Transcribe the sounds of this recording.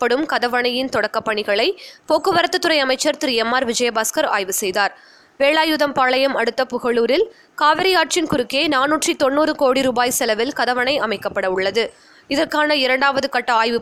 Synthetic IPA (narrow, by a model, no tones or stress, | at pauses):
pːɐɽɯmkɐðɐʋɐɳɐjɪnt̪ɔɽɐkːɐpːɐɳɪɣɐɭɐɪpoːkːɯʋɐɾɐt̪ːɐt̪ːɯɾɐɪɐmɐɪt͡ʃːɐɾt̪ɪɾɪɛmːaːɾʋɪd͡ʒɐjɐbaːskɐɾa̰ːjʋɯsɛjðaːɾ | ʋeːɭaːjuðɐmpaːɭɐjɐmɐɽɯt̪ːɐpʊɣɐɭuːɾɪl | kaːʋɐɾɪjaːʈ̚t͡ʃɪnkʊɾɯkːeːnaːnuːʈrit̪ɔnːuːɾɯkoːɽiɾuːbaːjsɛlɐʋɪlkɐðɐʋɐɳɐɪɐmɐɪkːɐpːɐɽɐʊɭːɐðɯ | ɪðɐrkaːnɐɪɾɐɳɖaːʋɐðɯkɐʈːɐaːjʋɯ